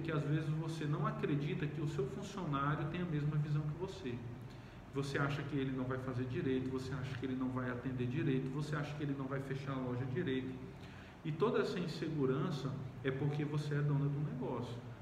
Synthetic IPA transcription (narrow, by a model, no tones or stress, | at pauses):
kɪazvezɪzvosenɐ̃w̃akɾed͡ʒit̪ɐkɪʊsewfũsionaɾjʊt̪ẽj̃ɐmezmɐvizɐ̃w̃kɪvose | voseaʃɐkɪelɪnɐ̃w̃vajfazeɾd͡ʒiɾejt̪ʊvoseaʃɐ̥kɪelɪnɐ̃w̃vajat̪ẽnd̪eɾd͡ʒiɾejt̪ʊvoseaʃɐ̥kɪelɪnɐ̃w̃vajfeʃaɾɐlɔʒɐd͡ʒiɾejt̪ɐ̥ | ɪt̪od̪ɐɛsɐĩseɡuɾɐ̃sɐɛpoɾkevoseɛd̪õnɐd̪ũnɛɡɔsjʊ